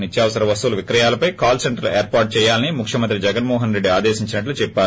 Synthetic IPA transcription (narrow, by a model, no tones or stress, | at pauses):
nit̪jaːʋɐsɐɾɐʋɐst̪uːlɐʋikɾɐjaːlɐpɐjkaːlseɳʈɐɾlueːɾpaːɾʈ̚t͡ʃɛːjaːlɐnimukʰʂjɐmɐnt̪ɾid͡ʒɛɡɐnmɔːɦɐnɾe̞ɖːiaːd̪ɛːsiɲt͡ʃinɐʈ̬lut͡ʃɛpːaː